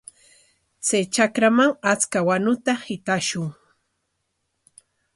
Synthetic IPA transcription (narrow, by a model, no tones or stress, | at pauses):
t͡sajt͡ʃakɾamaŋat͡skawanʊt̪ahɪt̪aʃʊŋ